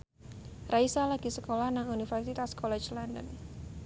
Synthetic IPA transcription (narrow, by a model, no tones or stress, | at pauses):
raisalaɡ̥isəkolahnaŋunifɛrsit̪askɔlɛt͡ʃlandə̰n